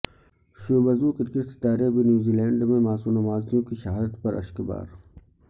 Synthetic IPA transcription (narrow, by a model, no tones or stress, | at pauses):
ʃoːbɐzũkɪɾkɪst̪t̪aːɾebinjuːziːlɛ̃ːɳɖmẽmaːsunɐmaːzjõkiʃɐɦaːd̪ət̪pɐɾʔɐ̰ʃkba̰ːɾ